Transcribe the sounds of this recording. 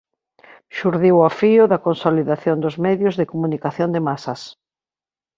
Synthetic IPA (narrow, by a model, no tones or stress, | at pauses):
ʃuɾðiwafiʊðɐkonsoliðaθjond̪ʊzmɛðjʊzðɪkomunikaθjond̪ɪmasɐs